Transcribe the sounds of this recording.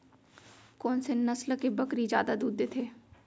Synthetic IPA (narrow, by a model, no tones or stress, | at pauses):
kɔːnsenəslkebəkɾid͡ʒja̰ːd̪ad̪uːd̪ːet̪ʰeː